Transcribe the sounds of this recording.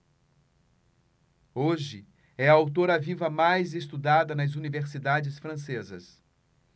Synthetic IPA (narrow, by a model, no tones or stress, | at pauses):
oʒɪ | ɛɐawt̪̬oɾɐvivɐmajzest̪ud̪ad̪ɐnɐzuniveɾsid̪ad͡ʒɪsfɾɐ̃sezɐ̰s